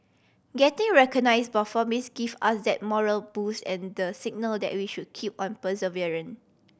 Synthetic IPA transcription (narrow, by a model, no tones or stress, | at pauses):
ɡɛtĩŋɹɛkɔnajsbəfɔmisɡivasdɛt̚mɔɹəlbusɛ̃ndəsiɡ̚nəldɛ̰t̚wiʃud̚kʰip̚ɔ̃npəsəviɹə̃n